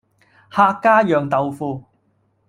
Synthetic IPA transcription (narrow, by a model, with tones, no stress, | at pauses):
haː˧kːaː˥jœː˨ŋt̪ɐ˨wfuː˧